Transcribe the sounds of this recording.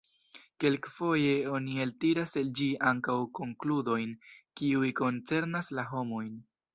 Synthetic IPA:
ke̞lkfo̞je̞o̞nieltiɾaseld͡ʒiʔaŋkawko̞ŋkludo̞jnkiujko̞nt͡se̞ɾnaslaɦo̞mo̞jn

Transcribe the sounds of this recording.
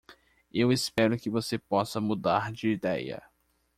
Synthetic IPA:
ewɪspɛɾʊkɪvosepɔsɐmud̪aɾd͡ʒɪid̪ɛjɐ̰

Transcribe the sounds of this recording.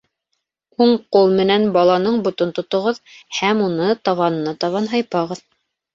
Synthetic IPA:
huɴqulˠmɘ̆nænbɑlˠɑnɤɴbŏt̪ɤnt̪ŏt̪ŏʁɤðhæmunɤt̪ɑβɑnɤ̆nɑt̪ɑβɑnɦɑjpɑʁɤð

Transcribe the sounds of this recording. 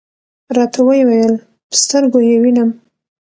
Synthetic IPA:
ɾɑt̪ʰawəjewajəl | pə̥st̪əɾɡojewinam

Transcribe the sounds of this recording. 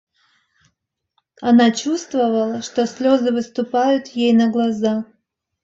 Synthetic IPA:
anat͡ɕust̪vɐvəlˠəʂt̪osʲlʲo̞zɨvɨst̪ʊpajʊt̪jejnɐɡlˠaza

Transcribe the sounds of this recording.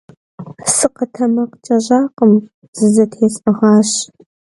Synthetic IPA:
sɨqɐtʰɐmɐqt͡ʃʼɐʑaːqəm | z̥ɨzɐtʰeːt͡sʼɐʁɑːɕ

